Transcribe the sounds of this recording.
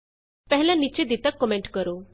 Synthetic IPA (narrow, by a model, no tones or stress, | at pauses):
pɛɦɛljãnit͡ɕed̪it̪əkːɔmeɳʈkəɾo